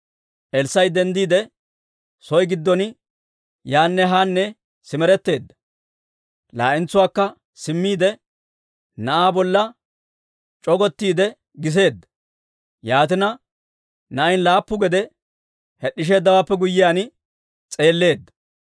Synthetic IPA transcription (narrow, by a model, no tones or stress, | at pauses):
ʔɛlsːɐjd̪ɛnd̪iːd̪ɛ | sɔjɡɪd̪ːɔn | jaːnːɛɦaːnːɛ | sɪmɛɾɛt̪ːe̞ːd̪ːɐ̥ | la̰ːʔɪnt͡sːʊwaːkːɐ | sɪmːiːd̪ɛ | nɐʔaːbɔlːɐ | t͡ʃʼɔɡɔt̪ːiːd̪ɛ | ɡɪs̬e̞ːd̪ːɐ | jaːt̪ɪnɐ | nɐʔjnlaːpːʊɡɛd̪ɛ | hɛɗːɪʃ̬e̞ːd̪ːɐwaːpːɛɡʊjːɪjaːn | t͡sʼe̞ːlːe̞ːd̪ːɐ̥